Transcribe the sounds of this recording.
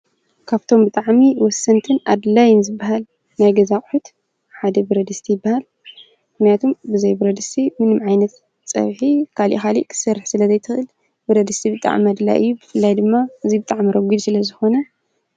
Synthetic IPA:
kʰaβt̪ʰo̞mbɨt̪ʼaʕmiwɔsːɐnt̪ʰɨnad̪lajɪnzɨbːaɦal | najɡɐzakʼħut̪ | ħad̪ɐbɨɾɐd̪ɨst̪ʰijɪbːahal | mmɨxnijat̪ʰombɨzɐjbɨɾɐd̪ɨst̪ʰimɨnɨmʕajnɐt̪ | t͡sʼɐ̰βħikʰalʔḭxalḭʔkʰɨ̥sɐɾɨħsɨlɐzɐjt̪ʰɨxɨl | bɨɾɐd̪ɨst̪ʰibɨt̪ʼa̰ʕmiad̪la̰jʔɨ̰jːubɨfɨlːajd̪ɨmːaʔɨzibɨt̪ʼaʕmiɾɐɡʷid̪sɨlɐzɨxo̞nɐ

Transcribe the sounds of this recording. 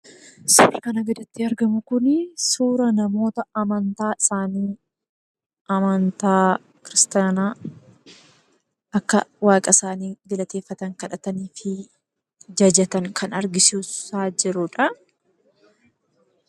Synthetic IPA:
suːɾɐkɐnɐɡɐd̪ɐt̪ːɪɐɾɡɐmʊkʊnsuːɾɐnɐmo̞ːt̪ɐɐmɐnt̪aːɪsaːniː | ɐmɐnt̪aː | kɪɾɪst̪anaː | ʔɐkːɐwaːkʼɐsaːniːɡɪlɐt̪e̞ːfːɐt̪ɐŋkɐᶑɐt̪ɐniːfɪ | d͡ʒɐd͡ʒɛt̪ɐŋkʰɐnɐɾɡɪsuːsaːd͡ʒɪɾʊᶑɐ

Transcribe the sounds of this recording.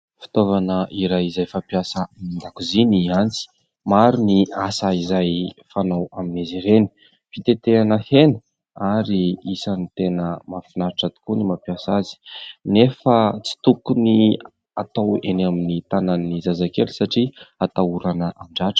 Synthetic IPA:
fi̥t̪ovanəʔiɾajizajfapjasəmind̪akuziniant͡si̥ | maɾuniasaizajfanawaminaziɾeni̥ | fit̪et̪eanəhenə | aɾiisanit̪enəmafinaɾʈ͡ʂat̪u̥kunimapiasazi̥nefət͡si̥t̪ukuni | a̰t̪awḛnaminit̪ananizazakeli̥saʈ͡ʂiat̪auɾanəʔamiɳɖ͡ʐaʈ͡ʂə̥

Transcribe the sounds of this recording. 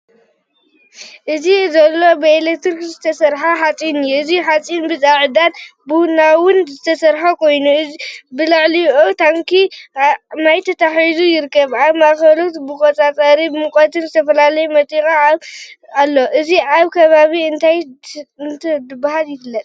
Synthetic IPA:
ʔɨzizɐlːo̞bɐelekt̪ɨɾkzɨt̪ʰɐsɐɾħaħat͡sʼinjɨziħat͡sʼinbɨzʼaʕɨd̪ad̪buhnawʊnzɨt̪ʰɐsɐɾħakʰo̞jnubɨlɨʕlijʔot̪ʰamkʰi | majt̪ʰɐt̪ʰaħizujɪɾkːɐβaβmaxɐlut̪bɨkʼot͡sʼat͡sʼɐɾibɨmɨkʼɐt̪ʰɨnzɨt̪ʰɐfɐlalɐjumɐt̪ʼikʼa | alːo̞ʔɨziʔaβkʰɐβaβiɨnt̪ʰajnt̪ʰɐd̪ɨbahaljɪfɨlːɐt̪ʼ

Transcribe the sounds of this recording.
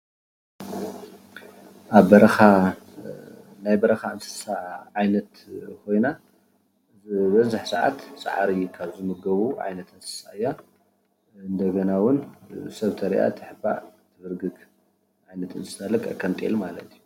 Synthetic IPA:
ʔaβːɐɾɐxa | najbɐɾɐxaɨnsɨ̥saʕajnɐt̪kʰo̞jna | bɐzaħsɐʕa̰t̪sa̰ʕa̰ɾikʰaβzɨmɨɡɐβuʕa̰jnɐt̪ɨnsɨ̥saɨjːa | ɨnd̪ɐɡɐnawʊnsɐβt̪ʰɐɾḭʔa̰t̪ʰɨħɨba̰ʕt̪ʰɨbɨɾɡɨɡ | ʕajnɐt̪ʰɨnsɨ̥sɐlɐkʼɐ̰kʰːɐnt̪ʼḛlmalɐt̪iju

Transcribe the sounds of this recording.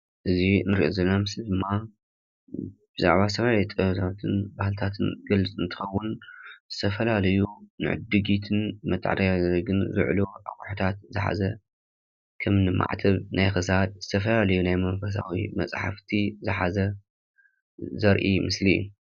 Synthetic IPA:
ʔɨzinɨɾiʔozɨnamɨsɨd̪ɨmːa | b̥ɨza̰ʕβazɨt̪ʰɐfɐlaajut̪ʼɐβt̪ʰat̪ʰɨnbahɨlt̪ʰat̪ʰɨnɡɐlɨt͡sʼɨnt̪ʰɨ̥xɐwːʊnzɨt̪ʰɐfɐlalɐjunɨ̰ʕɨ̰d̪ɨɡit̪ʰɨnmɐt̪ʰʼːʕd̪ajzɐɡɨnzɨ̰ʕ̰loʔakʼħut̪ʰat̪zɨħa̰zɐ | kʰɐmnɨmːa̰ʕt̪ʰɐβnajxɨsad̪̚zɨt̪ʰɐfɐlalɐjunajmɐmfɐs̬a̰wimɐ̰t͡sʼħa̰ft̪ʰizɨħazɐ | zɐɾʔimɨsliṵ

